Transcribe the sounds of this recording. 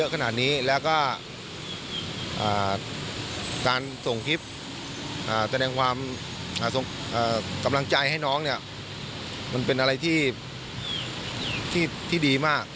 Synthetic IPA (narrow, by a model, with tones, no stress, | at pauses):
ɤ˦˥kʰa˧naː˨˩t̪̚niː˦˥lɛː˦˥wkɔː˥˩ | ʔaː˨˩ | kaː˧nso˨˩ŋkʰi˦˥p̪̚ | ʔaː˨˩sa˧ɾɛː˧ŋkʰwaː˧m | ʔaː˨˩so˨˩˦ŋ | ʔaː˨˩ka˧mla˧ŋt͡ɕa˧jha˥˩jnɔː˦˥ŋni˥˩ɐ | ma˧npe˧nʔa˧ɾa˧jt̪ʰiː˥˩ | t̪ʰiː˥˩t̪ʰiː˥˩diː˧maː˥˩k̚